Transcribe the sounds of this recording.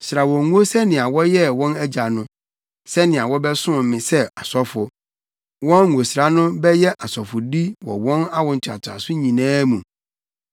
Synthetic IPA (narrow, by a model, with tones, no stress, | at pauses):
sɾa˨wɔ̃˨ŋu˦o˦sɛ˦nɪ̃˨a˨wɔ˦jɛ˦wɔ̃˦næ˦d͡ʑa˨nʊ̃˦ | sɛ˦nɪ̃˨a˨wɔ˦bɛ˦sʊ̃˦˨mɪ̃˨sɛ˦a˨sɔ˦fʊ˨ | wɔ̃˦nː˨o˨sɪ˨ɾa˨nʊ̃˦bɛ˦jɛ˦ʔa˨sɔ˨fʊ˨di˦wɔ̰˨wɔ̃˦na˦wɔ̃˨ɲ̩˨t͡ɕʰᶣa̰˨tʰʊ˨a̰˨sʊ˦ɲĩ˨nãː˦mũ˨